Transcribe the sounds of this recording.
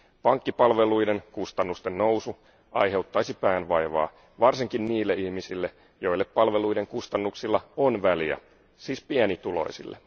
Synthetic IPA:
pɑŋkːipɑlʋe̞lujde̞nkust̪ɑnːust̪ennowsu | ʔɑ̰jɦe̞wt̪ːɑjsipæːnʋɑjʋɑ̰ː | ʋɑrsiŋkinniːlːeihmisilːe | jo̞ilːeppːɑlʋe̞lujde̞ŋkust̪ɑnːuksilːɑonʋæliæ̰ | siːspiænit̪ulo̞̰isḭlːe

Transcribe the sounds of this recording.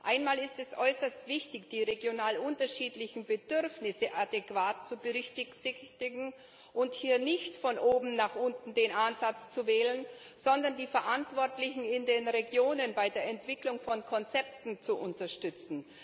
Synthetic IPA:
ʔaɪnmaːlɪstɛsʔɔʏsɐstv̥ɪçtɪçd̥iːʁeɡjonaːlʔʊntɐʃiːtlɪçn̩bədʏʁfnɪsəʔadekv̥aːtt͡subəʁʏçtɪsɪtɪɡŋ̩ | ʔʊnthiːɐnɪçtfɔnʔoːbm̩naχʔʊntn̩deːnʔanzat͡st͡suvɛːlən | z̥ɔndɐndiːfɛɐʔantv̥ɔɐtlɪçn̩ɪndeːnʁeɡjoːnənbaɪdeːɐɛntv̥ɪklʊŋfɔnkʰɔnt͡sɛp̚tn̩t͡suʔʊntɐʃtʏt͡sn̩

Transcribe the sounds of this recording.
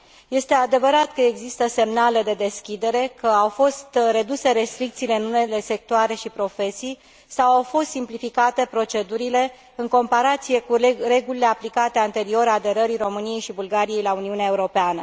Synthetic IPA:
je̞st̪e̞ad̪e̞vəɾat̪kəe̞ɡzist̪əse̞mnale̞d̪e̞d̪e̞skʲid̪e̞ɾe̞kəawfo̞st̪re̞d̪use̞ɾe̞st̪ɾik̚t̪siːle̞ɨnune̞le̞se̞k̚t̪oaɾe̞ʃipɾo̞fe̞sij | sawawfo̞st̪simplifikat̪e̞pɾo̞t͡ʃe̞d̪uɾile̞ | ɨŋko̞mpaɾat̪sije̞kure̞ɡulile̞aplikat̪eant̪e̞ɾio̞ɾad̪e̞ɾəɾiro̞mɨnije̞jʃibulɡaɾije̞jlauniuneae̞uɾo̞peanə

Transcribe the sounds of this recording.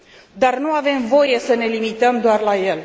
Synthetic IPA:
d̪arnuave̞mvo̞je̞səne̞limit̪əmd̪oarlaje̞l

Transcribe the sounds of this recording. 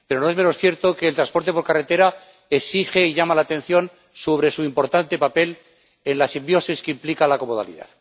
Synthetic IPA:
peɾo̞no̞eme̞no̞sθje̞ɾt̪o̞ke̞ːlt̪ɾaspo̞ɾt̪e̞p̬oɾkaret̪e̞ɾa | esixe̞iʝamalaːt̪ẽ̞n̟θjo̞n | so̞β̞ɾe̞suimpo̞ɾt̪ant̪e̞pape̞l | e̞nlasimbjo̞siskeimplikalako̞moða̰lḭða̰ð

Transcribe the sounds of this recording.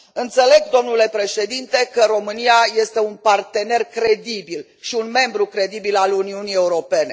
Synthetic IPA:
ɨnt̪se̞le̞ɡd̪o̞mnule̞pɾe̞ʃe̞d̪int̪e̞kəɾo̞mɨnijaje̞st̪e̞unpart̪e̞ne̞rkɾe̞d̪ibil | ʃiunme̞mbɾukɾe̞d̪ibilaluniunije̞uɾo̞pe̞ne̞

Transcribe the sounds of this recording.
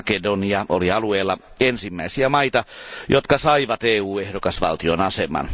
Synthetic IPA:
kedoniɑʔoliɑlueːlːɑ | ensimːæisiæmɑit̪ɑjot̪kɑsɑiʋɑt̪eːuːehdokɑsʋɑ̰lt̪ionɑsemɑ̰n

